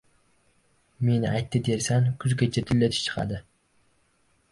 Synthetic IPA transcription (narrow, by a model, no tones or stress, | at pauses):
me̞nɪʔajt̪ːɪd̪e̞ɾsaŋkʰʊzɡʲat͡ʃʰat̪ʰɪlːat̪ʰɪ̥t͡ʃʰɨ̥qʰɑ̰d̪ɪ